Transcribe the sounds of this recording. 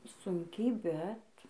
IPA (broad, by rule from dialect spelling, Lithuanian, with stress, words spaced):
ˈsʊŋʲkʲɛɪ ˈbʲɛt